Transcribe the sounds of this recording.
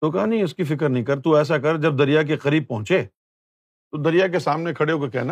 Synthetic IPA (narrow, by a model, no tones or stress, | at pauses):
t̪oːkɐanɐɦĩʊskifɪk̬əɾnɐɦĩkɐɾt̪uɛːs̬akɐɾd͡ʒɐb̚d̪ɐɾijak̬eqɐɾiːb̚pɐɦʊ̃t͡ʃeː | t̪od̪ɐɾijak̬esaːmnekʰɐɽeɦoːkekɛːna